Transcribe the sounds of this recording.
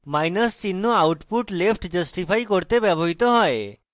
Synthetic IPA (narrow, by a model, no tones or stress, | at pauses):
majnəst͡ʃinːoauʈpuʈlefʈd͡ʒəsʈifʰajkɔɾt̪eʋəbʱoɦit̪oɦɔj